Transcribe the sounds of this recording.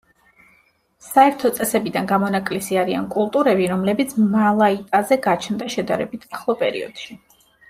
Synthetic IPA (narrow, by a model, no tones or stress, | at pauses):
saɛɾt̪ʰɔt̪sʼɛsɛbid̪anɡamɔnakʼlisiaɾia̰nkʼulˠt̪ʼuɾɛbiɾɔmlɛbit̪sʰmalˠait̪ʼazɛɡat͡ʃʰnd̪aʃɛd̪aɾɛbit̪ʰaχlˠɔpʼɛɾḭɔ̰d̪̥ʃi